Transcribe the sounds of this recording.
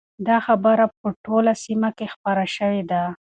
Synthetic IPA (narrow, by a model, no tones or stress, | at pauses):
d̪ɑxabəɾap̚əʈolasimakexpaɾaʃəwed̪a